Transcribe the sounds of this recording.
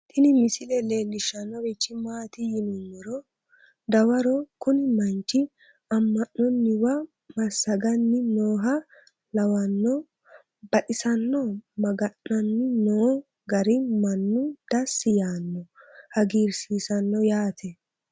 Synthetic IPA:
t̪ɪnɪmɪsɪlɛle̞ːlːɪʃɐnːɔwɛt͡ʃːɪmaːt̪ɪjɪnɔnːɛɾɔ | d̪ɐwɐɾɔkʊnɪmɐnt͡ʃːɪ | ɐmːɐnːɔnːɪwɐ | mɐsːɐɡɐnːɪnoːɦɐ | lɐwɐnːɔ | bɐᶑɪsɐnːɔmɐɡɐnːɐnːɪnoː | ɡɐɾɪmɐnːʊd̪̥ɐsːɪjaːnːɔhɐɡiːɾsiːsɐnːɔjaːt̪ʰɛ

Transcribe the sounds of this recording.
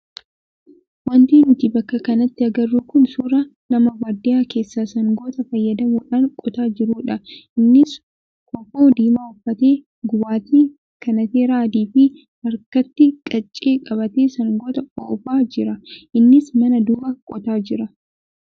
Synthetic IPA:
wɐnt̪iːnʊt̪ibɐkːɐkɐnɐt̪ːɪɐɡɐrːuːkʊnsuːɾɐnɐmɐwɐɾd̪ɪjaːke̞ːsːaːsɐŋɡoːt̪ɐfɐjːɐd̪ɐmuːᶑaːŋkʼɔt̪aːd͡ʒɪɾuːᶑɐʔɪnːɪs | kɔfoːd̪iːmaːʊfːɐt̪eː | ɡʊbaːt̪iː | kɐnɐt̪eːɾaːd̪iːfɪ | ɐɾkɐt̪ːɪkʼɐt͡ʃʼːeːkʼɐbɐt̪eːsɐŋɡoːt̪ɐoːfaːd͡ʒɪɾɐʔɪnːɪsmɐnɐd̪uːbɐkʼɔt̪aːd͡ʒɪɾɐ

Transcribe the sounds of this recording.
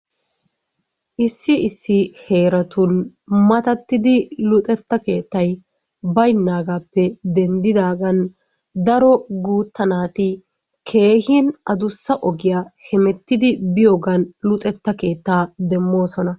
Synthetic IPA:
ʔɪsːɪɪsːɪhe̞ːɾɐt̪ʊn | mɐt̪ɐt̪ːɪd̪ɪlʊt̪ʼɛt̪ːɐke̞ːt̪ːɐj | bɐjnːaːɡaːpːɛd̪ɛnd̪ɪd̪aːɡɐn | d̪ɐɾɔɡuːt̪ːɐnaːt̪ɪ | kʰe̞ːhɪnʔɐd̪ʊsːɐʔɔɡɪjaːhɛmɛt̪ːɪd̪ɪbɪjoːɡɐnlʊt̪ʼɛt̪ːɐke̞ːt̪ːaːd̪ɛmːo̞ːsɔnɐ

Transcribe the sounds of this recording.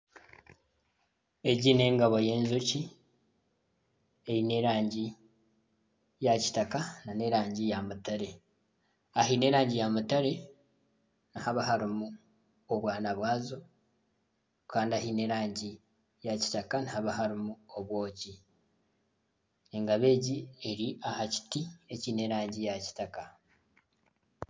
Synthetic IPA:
e̞ɟine̞ːŋɡaβo̞je̞ːnzuci | ejine̞ɾaːɲɟi | jaci̥takanane̞ɾaːɲɟijamutaɾe̞ | ahine̞ːɾaːɲɟijamutaɾe̞ | nihaβaɦaɾimu | oβwaːnaβwaːzo̞ | kaːndiaɦine̞ɾaːɲɟi | jaci̥takanihaβaɦaɾimuoβwo̞ːci | e̞ŋɡaβe̞ːɟie̞ɾiʔahaci̥tie̞ciːne̞ɾaːɲɟijaci̥taka

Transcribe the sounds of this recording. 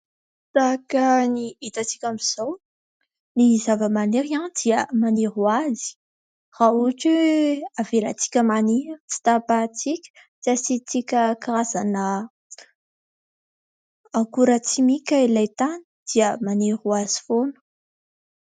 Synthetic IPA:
t̪akəniit̪at͡si̥kʲamiz̥ow | nizavəmaneɾiand̪iəmaneɾuazi̥ | rauʈ͡ʂeavela̰t͡si̥kʲəmaniɾt͡si̥t̪apat͡sikʲə̥ | t͡siasit͡sikʲəkɾazanə | akuɾət͡simikʲailajt̪ani̥d̪̥iəmaneɾuaz̥i̥fonu̥

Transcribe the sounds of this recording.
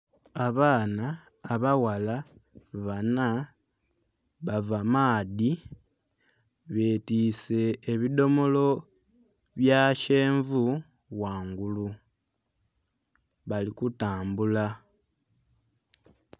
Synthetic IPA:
aβaːnaː | βawalaβana | βavamaːði | βeːtise̞ːβido̞mo̞lo̞ | βjaʃe̞ːɱvu | waːŋɡulu | βalikutaːmbula

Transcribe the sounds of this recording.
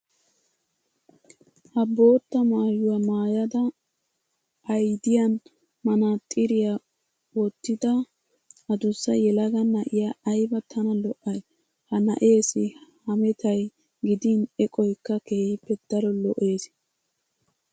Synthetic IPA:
hɐbo̞ːt̪ːɐmaːjʊwamaːjɐd̪ɐ | ɐjd̪ɪjɐn | mɐnat̪ʼɪɾɪja | wɔt̪ːɪd̪ɐ | ʔɐd̪ʊsːɐjɛlɐɡɐnɐʔɪjaɐjbɐt̪ʰɐnɐlɔʔɐj | hɐnɐ̰ʔe̞ːsɪhɐmɛt̪ɐj | ɡɪd̪inɛkʼɔjkːɐke̞ːhɪpːɛd̪̥ɐɾɔlɔʔe̞ːs

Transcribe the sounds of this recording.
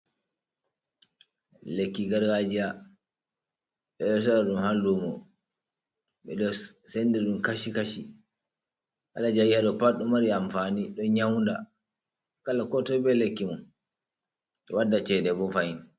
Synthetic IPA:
lekːiɡaɾɡad͡ʒija | ɓɛɛs̬ɔɗaɗumhalːumɔ | ɓɛɗɔsɛndɛɗumkaʃikaʃi | ha̰lad͡ʒajihaɗɔpaɗɔmaɾiamfaniɗɔɲawnda̰ | kalakɔtɔbɛlekːimɔn | ɗɔwadːat͡ʃɛdɛbɔfajin

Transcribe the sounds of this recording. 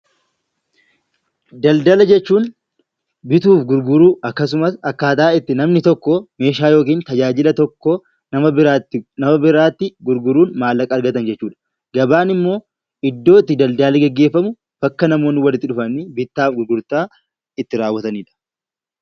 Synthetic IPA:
d̪ɐld̪ɐlɐd͡ʒɛt͡ʃːuːn | bɪt̪uːfɡʊɾɡʊɾuːʔɐkːɐs̬ʊmɐsɐkːaːt̪aːɪt̪ːɪnɐmnɪt̪ɔkːɔme̞ːʃaːjo̞ːk̬iːnt̪ɐd͡ʒaːd͡ʒɪlɐt̪ɔkːo | nɐɐanɐmɐbɪɾaːt̪ːɪɡʊɾɡʊɾuːnmaːlːɐkʼɐːɾɡɐt̪ɐnd͡ʒɛt͡ʃːuːᶑɐ̥ | ɡ̥ɐbaːnɪmːo̞ː | ʔɪd̪ːo̞ːɪt̪ːɪd̪ɐld̪aːlɪɡɛɡːe̞ːfːɐmʊ | b̥ɐkːɐnɐmo̞ːnɪwɐlɪt̪ːɪᶑʊfɐnɪbɪt̪ːaːfɡʊɾɡʊɾt̪ːaː | ɪt̪ːɪɾaːwːɐt̪ɐniːᶑɐ̥

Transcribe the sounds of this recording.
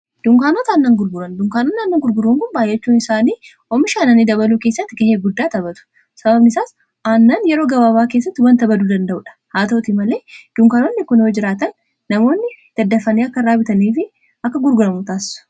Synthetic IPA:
d̪̥ʊŋkaːnot̪aːnːɐŋɡʊɾɡʊɾɐnd̪ʊŋkaːnoːnːɪɐnːɐŋɡʊɾɡʊɾuːŋkʊnbaːjːɛt͡ʃːuːnɪsaːniː | ɔmɪʃaːnɐnːid̪ɐβɐluːkeːsːɐt̪ːɪɡɐheːɡʊd̪ːaːt̪ɐbɐt̪ʊ̥ | sɐbɐbnɪsaːs | ʔanːɐnjɛɾo̞ːɡɐbaːbaːkeːs̬ːɐt̪ːɪwɐnt̪ɐbɐd̪uːd̪ɐnd̪ɐʔʊᶑɐ̥haːt̪ɐt̪imɐle̞ːd̪̥ʊŋkaːnonːɪkʊnoːd͡ʒɪɾaːt̪ɐnː | ɐmo̞ːnːɪd̪̥ɐd̪ːɐfɐniːɐkːɐrɾaːbɪt̪ɐniːfɪ | ɐkːɐɡʊɾɡʊɾɐmʊt̪aːsɪ̥sʊ̥

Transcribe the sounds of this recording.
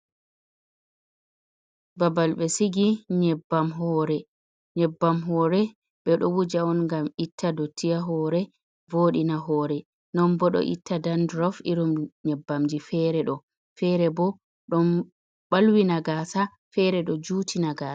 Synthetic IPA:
babalɓɛsiɡiɲɛbːamɦɔːɾɛ | ɲɛbːamɦɔːɾɛ | ɓɛɗɔwud͡ʒaɔnŋɡamitʰːadotʰːijaɦɔɾɛ | voːɗinaɦɔːɾɛ | nɔmbɔɗɔ̰ʔḭtʰːadandɾɔfiɾɔmɲɛbːamd͡ʒifɛɾɛɗɔ | fɛɾɛbɔ | ɗɔn | ɓalwinaɡaːsa | fɛɾɛɗɔd͡ʒuːtʰinaɡaːa

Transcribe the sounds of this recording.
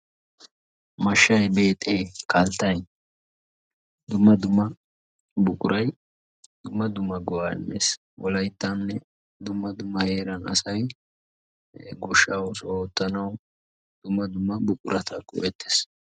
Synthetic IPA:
mɐʃːɐjbe̞ːt̪ʼeːkɐlt̪ːɐj | d̪ʊmːɐd̪ʊmɐ | bʊkʼʊɾʔɐj | d̪̥ʊmːɐd̪ʊmːɐɡɔwaːɪ̰mːḛːs | wɔlɐjt̪ːɐnːɛ | d̪ʊmːɐd̪ʊmːɐhe̞ːɾɐnɐ̰sɐj | ɡʊʃːɐwsoːt̪ʼːɐnɐw | d̪̥ʊmːɐd̪ʊmɐbʊkʼʊɾʔɐt̪ʰɐkʼʊ̰bɛt̪ːe̥ːs

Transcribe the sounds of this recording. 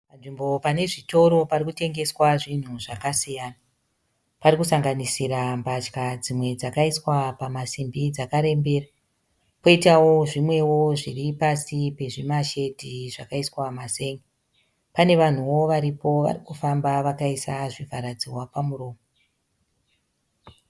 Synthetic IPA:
panʐimbo̞pane̞ʐito̞ɾo̞parikute̞ŋɡe̞swaʐin̤uʐakasijaːna | parikusaŋɡanisiɾambat͡ʃkad͡zimwe̞d͡zakaiswapamasimbid͡zakaɾe̞mbe̞ːra | po̞itawo̞ʐimwe̞wo̞ʐiripasipe̞ʐimaʃe̞dʱiʐakaiswamase̞ːŋɡi | pane̞ʋan̤uwo̞ʋaɾipo̞ʋa̰rikufambaʋakaisaʐivʱaɾad͡zirwapamuɾo̞ːmo

